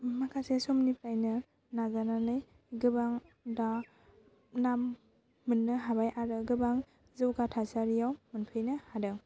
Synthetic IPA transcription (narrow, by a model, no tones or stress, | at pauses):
makʰasesomnipʰɾajnɯ | naɡananɯj | ɡɯbaŋ | da | namː | ɯnːɯɦabajʔaɾɯɡɯbaŋ | zɯwkatʰasaɾijawmɯnpʰɯjnɯhadɯŋ